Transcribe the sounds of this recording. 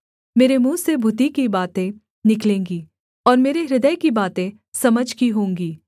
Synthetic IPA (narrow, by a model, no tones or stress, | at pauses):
meːɾemũːsebʱʊt̪ikibaːt̪ẽ | nɪklẽːŋɡiː | ɔːɾmeːɾeɾɪd̪əjkibaːt̪ẽ | sɐməd͡ʒʱkiɦõːŋɡiː